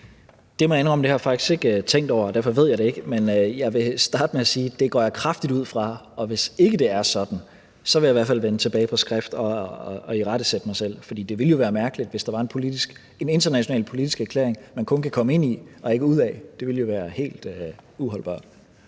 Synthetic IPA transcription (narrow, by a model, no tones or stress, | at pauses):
d̥e̝mɒenʁɒ̽md̥e̝hɑ̈fɑ̈ɡ̥i̥sɡ̥e̝ɡ̥t͡sʰeŋ̰d̥ɒ̰ʊ̰ɐd̥æɐfɒ̽ʋe̝ð̞̰ˠjɑd̥ee̝ɡ̥əmenjɑ̈ɪʋe̝sd̥ɑ̈ːd̥əmeæsiːd̥e̝ɡ̥ɒ̰ːjɑ̈kʰʁɑfd̥id̥uð̞̰ˠfʁɑ̈ | ɒ̽ʋe̝se̝ɡ̥əd̥e̝æɐsɒ̽d̥n̩ | sɒ̽ʋe̝jäiʋæɐfælʋenət͡sʰe̝b̥ɛːɪpʰɒ̽sɡ̥ʁɛfd̥ɒ̽iʁɑ̈ɾ̥əsed̥əmɑ̈ɪsel̰fɒd̥ḭːd̥e̝ʋe̝ljo̝ʋæːɐmæɐɡ̥əlid̥ʋe̝sd̥ɑ̈ʋɑ̈e̝npʰo̝lid̥iɡ̥ | ene̝nd̥ɐnæɕonɛ̰ːlpʰo̝lid̥isɡ̥æɐkʰlḛɐ̰eŋmænkʰɔ̽nkʰækʰɒ̽məe̝n̰iɒ̽e̝ɡ̥əuð̰ˠɛd̥e̝ʋe̝ljo̝ʋæːɐhe̝̰ːld̥øuɦɒ̽lb̥ɑ̰̥̈ː